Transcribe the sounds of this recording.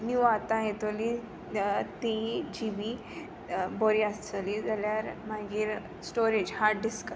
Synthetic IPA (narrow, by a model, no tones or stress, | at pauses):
njuat̪ãɦet̪oli | t̪id͡ʑibi | bɔɾiast͡səlid͡zaljaɾmaɡiːɾ | sʈoɾed͡ʑhaɾʈɖiskə